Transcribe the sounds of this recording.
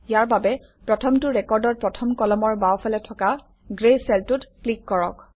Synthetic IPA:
jaɹbabɛ | pɹɔtʰɔmtʊɹɛkɔɹdɔɹ̚pɹɔtʰɔmkɔlɔmɔɹbawpʰalɛtʰɔka | ɡɹesɛltutklikːɔɹɔk

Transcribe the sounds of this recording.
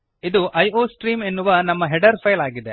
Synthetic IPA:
id̪uʔɐjoːsʈɾiːmenːuʋɐnɐmːɐɦɛɖɐɾpʰɐjlaːɡid̪e

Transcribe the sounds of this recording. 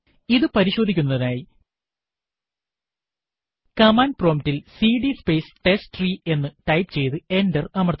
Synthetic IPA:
iðɨpɐɾiɕo̞ːd̪ʱikʲːunːɐðinaːji | kɐmaːnpro̞ːmtilsiːɖispe̞ːsʈe̞sʈriːe̞nːɨʈɐjpɨt͡ɕe̞jt̪ɨe̞ndɐrɐmɐrt̪

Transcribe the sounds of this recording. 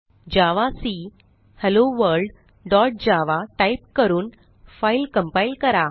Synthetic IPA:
d͡ʑaʋasi | hɛloʋəɾɖ | ɖɔʈ̚d͡ʑaʋaʈaip̚kəɾuːn | failkəmpailkəɾa

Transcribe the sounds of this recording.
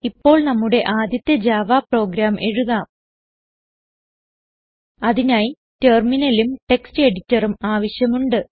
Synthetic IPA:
ipːo̞ːɭnɐmːuɽe̞ʔaːd̪jɐt̪ːjɐd͡ʑaːʋaːpro̞ːɡɾaːmʔe̞ɻuɣaːm | ɐðinaːji | teːrminɐlumʈe̞kstɨe̞ɽitʲːɐrumaːʋɐɕjɐmuɳɖɨ

